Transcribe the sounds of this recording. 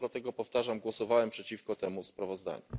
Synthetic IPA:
lat̪ɛɡɔpɔft̪aʐamɡwɔsɔvawɛmpʂɛt͡ɕifkɔt̪ɛmuspɾavɔzd̪a̰ɲu

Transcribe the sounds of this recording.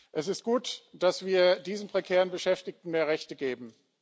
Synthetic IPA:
ʔɛsɪst̚ɡ̥uːtd̥asv̥iːɐdiːzn̩pʁ̥ekʰɛːʁənbəʃɛftɪktn̩meːɐʁɛçtəɡeːbm̩

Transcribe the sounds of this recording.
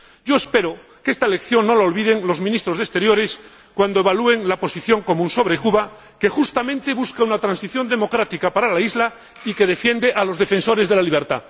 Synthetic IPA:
ɟ͡ʝo̞espe̞ɾo | keest̪aele̞kθjo̞nːo̞laolβið̞e̞ŋlo̞zminist̪ɾo̞zðe̞st̪e̞ɾjo̞ɾe̞s | kwand̪oe̞βalue̞ŋlapo̞siθjo̞ŋko̞mũnso̞βɾe̞kuβa | ke̞xust̪amẽnt̪e̞βuskaunat̪ɾansiθjo̞nd̪e̞mo̞kɾat̪ikapaɾalaizla | ikeð̞e̞fje̞nd̪eʔalo̞zðe̞fẽ̞nso̞ɾe̞zðe̞laliβ̞e̞ɾt̪a̰

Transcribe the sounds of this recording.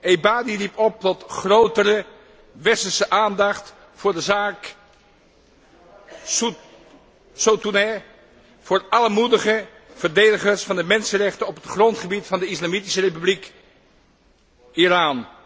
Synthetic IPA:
ʔejbaːdiripɔp̚tɔtχrowtərə | ʋɛsəsəʔaːndɑχt | fʊːɹdəzaːk | sotunɛ | v̥ʊːɹɑləmudəχə | v̥əɹdejdəχəɹsfɑndəmɛnsərɛχtənɔpətχrɔntχəbitfɑndəɪslamitisərejpyblik | iraːn

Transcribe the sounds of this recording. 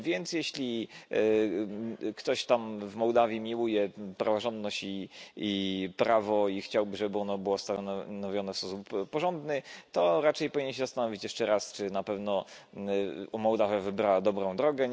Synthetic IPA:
vʲjɛnt̪sjɛɕlʲi | kt̪ɔɕt̪amvmɔwd̪avʲjimʲiwujɛpɾavɔʐɔnd̪nɔɕt͡ɕiipɾavɔixt͡ɕawbɘʐɛbɘɔnɔbɘwɔst̪anɔvʲjɔnɛfspɔsupːɔʐɔnd̪nɘt̪ɔɾat͡ʂɛjpɔvʲiɲɛnɕ̬ɛzast̪anɔvʲit͡ɕjɛʂt͡ʂɛɾast͡ʂɘnapɛvnɔ | umɔwd̪avavɘbɾawad̪ɔbɾɔ̃w̃d̪ɾɔɡɛ

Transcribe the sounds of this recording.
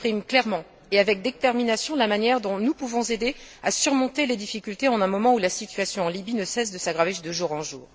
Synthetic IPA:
χimklɛʁmɑ̃ | eavɛk̚d̪et̪ɛʁminasjɔ̃lamanjɛʁd̪ɔ̃nupuvɔ̃zed̪easyʁmɔ̃t̪eled̪ifikʲylt̪eɑ̃nɛ̃mɔmɑ̃ulasit̪ɥasjɔ̃ɑ̃libinəsɛsd̪əsaɡʁaved̪əʒuʁɑ̃ʒuːʁ

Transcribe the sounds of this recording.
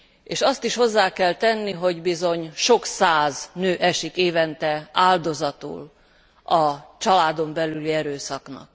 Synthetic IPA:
eːʃɒst̪iʃho̞zːaːkɛlt̪ɛnːiɦo̞ɟbizo̞ɲʃo̞ksaːznøːʔɛʃikeːvɛnt̪ɛaːld̪o̞zɒt̪ṵl | ɒt͡ʃɒlaːd̪o̞mbɛlyliɛɾøːsɒknɒ̰k̚

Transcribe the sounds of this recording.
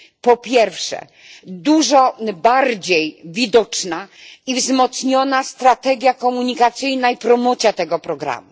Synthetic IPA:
pɔpʲjɛɾfʂɛ̰ | d̪uʐɔbaɾd͡ʑejvʲid̪ɔt͡ʂnaivzmɔt̪sɲɔnast̪ɾat̪ɛɡʲjakɔmuɲikat̪sɘjnaipɾɔmɔt̪sʲjat̪ɛɡɔpɾɔɡɾa̰mṵ

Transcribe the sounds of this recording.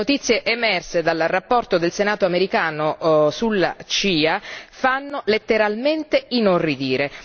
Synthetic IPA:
ot̪it̪sːjeʔemɛrsed̪alrːapːɔrt̪od̪elsenaːt̪oameɾikaːnosulːat͡ʃiːafanːolet̪ːeɾalment̪einorid̪iːɾe

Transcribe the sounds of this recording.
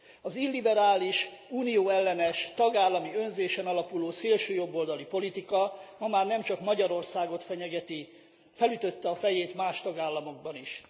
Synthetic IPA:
ɒzilːibɛɾaːliʃuːnijoːɛlːɛnɛʃt̪ɒɡaːlːɒmiø̞nzeːʃɛnɒlɒpuloːseːlʃøːjo̞bːo̞ld̪ɒlipo̞lit̪ikɒmɒmaːrnɛmt͡ʃɒkmɒɟɒɾo̞rsaːɡo̞t̪fɛɲɛɡɛt̪i | fɛlyt̪ø̞t̪ːɛɒfɛjeːt̪maːʃt̪ɒɡaːlːɒmo̞ɡ̚bɒniʃ

